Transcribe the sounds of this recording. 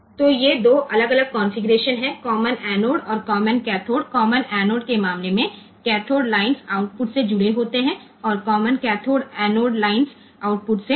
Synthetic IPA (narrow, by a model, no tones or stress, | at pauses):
t̪oːjed̪oːʔɐləɡɐləɡ̚kɔ̃ːnfɪɡɾeːʃənɦɛ̃kɔːmənɛːnoːɖɔːɾkɔːmənkɛːt̪ʰoːɖkɔːmənɛːnoːɖkemaːmlemẽ | kɛːʈ̪ʰoːɖlaːɪnsaːʊʈ̚pʊʈsed͡ʒʊɽeɦoːt̪eɦɛ̃ | ɔːɾkɔːmənkɛːt̪ʰoːɖɛːnoːɖlaːɪnz | aːʊʈ̚pʊʈse